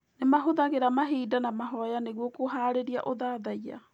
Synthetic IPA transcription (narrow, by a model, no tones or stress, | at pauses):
nemaɦoðaɣeɾamaɦiːdanamaɦɔjaneɣwɔkoɦaːɾeɾiaʔoðaːðaia̰